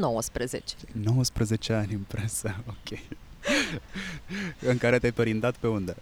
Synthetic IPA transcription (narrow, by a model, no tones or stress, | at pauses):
nowəspɾəzet͡ʃe̥no̞wəspɾəze̞t͡ʃe̞anʲɨmpɾesəokʲej | ɨŋkaɾet̪ʲajpəɾind̪at̪pe̞und̪e